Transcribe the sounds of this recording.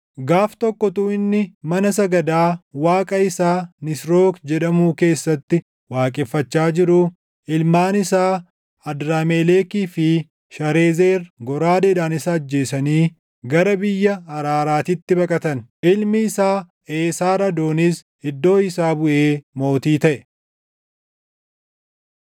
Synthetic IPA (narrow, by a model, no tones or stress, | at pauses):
ɡaːft̪ɔkːɔt̪uːɪnːɪmɐnɐsɐɡɐd̪aːwaːkʼɐɪsaːnɪsɾo̞ːkd͡ʒɛᶑɐmuːke̞ːsːɐt̪ːɪ | waːkʼɪfːɐt͡ʃːaːd͡ʒɪɾʊ | ɪlmaːnɪsaː | ɐd̪ɾaːmeːleːkiːfɪ | ʃɐɾe̞ːzeːrɡɔɾaːd̪ed̪aːnɪsɐːd͡ʒːe̞ːsɐniː | ɡɐɾɐbɪjːɐɐɾaːɾaːt̪ɪt̪ːɪbɐkʼɐt̪ɐnʔɪlmɪːsaː | eːsaːɾɐd̪o̞ːnis | ɪd̪ːo̞ːɪsaːbʊʔe̞ːmo̞ːt̪iːt̪ɐʔɛ